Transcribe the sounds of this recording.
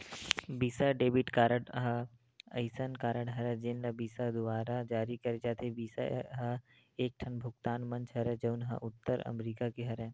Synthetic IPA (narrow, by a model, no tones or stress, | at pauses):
biːsaɖeːbɪʈkaːɾəɽɦɐ | ɐɪsənkaːɾəɽɦɐɾɛd͡ʒenlɐbiːsad̪ʊʋaːɾad͡ʒaːɾikɐɾed͡ʒaːt̪ebiːsa̰ɦɐ | eːk̚ʈʰɐnbʱʊkt̪aːnmɐ̃nt͡ʃɦɐɾɛd͡ʒəʊnɦə̰ʔʊt̪ːəɾɐ̰mɾiːkakeɦɐɾɛ̃ː